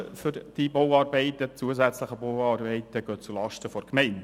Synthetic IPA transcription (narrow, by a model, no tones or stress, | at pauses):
fʏɾd̥ibowɑːɾbɛɪtət͡suəzæt͡sləχəbowɑːrbɛɪtəɡ̥øːt͡sulɑʃtəfɔɾkmɛɪnd